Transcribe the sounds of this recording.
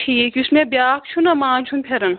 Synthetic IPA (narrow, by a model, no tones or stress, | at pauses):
ʈʰiːkʲusmẽbʲjaːkt͡ʃʰunɐmãːt͡ʃʰunpʰeɾɐn